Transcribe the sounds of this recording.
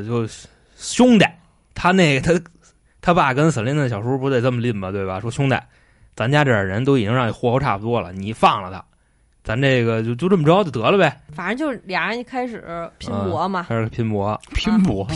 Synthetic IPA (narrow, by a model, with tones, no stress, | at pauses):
t͡ɕjo˥˩ʊ | ɕjʊ˥ŋt̪a˨˩˦ | t̪ʰa˥ne˥˩ɪɡə˩t̪ʰa˥ | t̪ʰa˥pa˥˩kə˥nsə˨˩li˥˧n˧˩ɕjɑ˨˩ʊʂu˥pu˧˥t͡sa˥˧ɪʈ͡ʂə˥˩mə˩li˥˩nmɐ˩t̪we˥˩ɪbɐ˩ʂwɔ˥ɕjʊ˥ŋt̪a̰˨˩˦ | t͡sa˧˥mt͡ɕja˥ʈ͡ʂɤ˥˩ə˞˨˩ɻə˧˥nt̪o˥ʊi˨˩t͡ɕi˥ŋɻɑ˥˩ŋni˨˩xwɔ˥xʈ͡ʂʰa̰˥˩pu˩t̪wɔ˥lə̰˨ni˨˩fɑ˥˩ŋlə˩t̪ʰa̰˧˥ | t͡sa˧˥nne˥˩ɪɡə˩t͡ɕjo˥˧ʊt͡ɕjo˥˧ʊʈ͡ʂə˥˩mə˩˧˥t͡ɕo˥˩t̪ɤ˧˥lə˧be˥˩ɪfa˨˩nə˧˥t͡ɕjo˥˧ʊljɑ˨˩ŋa˧˥i˥˩kʰa˥ɪʂɻ̩˨˩pʰi˧˥ən˧wɔ˧˥mɐ˨a˥ʂɻ̩˨˩˨pʰi˧˥npwɔ˧˥pʰi˧˥npwɔ˧˥